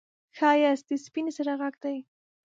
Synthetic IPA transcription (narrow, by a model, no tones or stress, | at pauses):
xɑjasd̪əspinesaɾaɣaɡd̪aj